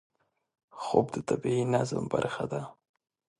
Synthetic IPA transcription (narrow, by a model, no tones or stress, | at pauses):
xob̚d̪ət̪abiinazəmba̰ɾxad̪a